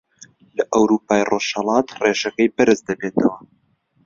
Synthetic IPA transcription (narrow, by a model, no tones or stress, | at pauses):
lɐʔɐwɾuːpaːjroʃhɐlˠɑːt̪reʃɐkɐjbɐɾɨzd̪ɐbeːt̪ɐwɐ